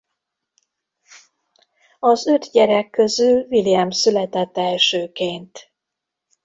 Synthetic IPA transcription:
ɒzø̞t̪ɟɛɾɛkːø̞zylvilijɛmsylɛt̪ɛt̪ːɛlʃøːkeːnt̪

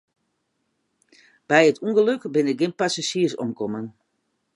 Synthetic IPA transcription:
b̥ɛjətuŋɡəløkbɪnɪk̚ɡɪnpasaʃiəsɔ̰mkɔmən

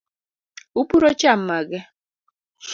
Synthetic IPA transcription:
upuɾot͡ʃam̩maɡɪ

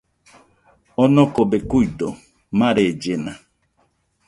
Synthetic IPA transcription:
ɔnɔkobekuido | maɾed͡ʒena

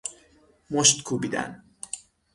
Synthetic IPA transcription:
moʃt̪kʰubiːd̪æ̰n

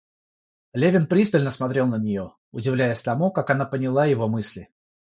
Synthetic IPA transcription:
lʲevʲɪnpɾʲist̪əlʲnəsmɐt̪ɾʲe̞lˠnənʲɪjo̞ | ʊdʲɪvlʲæjɪsʲt̪ɐmukakɐnapənʲɪlˠajɪvo̞mɨsʲlʲɪ

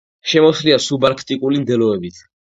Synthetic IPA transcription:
ʃɛmɔsliasubaɾkʰt̪ʼikʼulimd̪ɛlɔɛbit̪ʰ

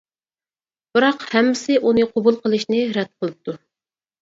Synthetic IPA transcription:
b̥ɨɾɑqhɛmːɪsɪʔunɨqʰobulˠqəlˠɨʃnɪɾɛd̪̥̚qʰəlˠɨp̚t̪ʰːu

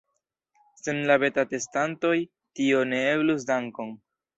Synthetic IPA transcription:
senlabe̞tate̞stanto̞j | tio̞ne̞eblus̬daŋko̞ŋ

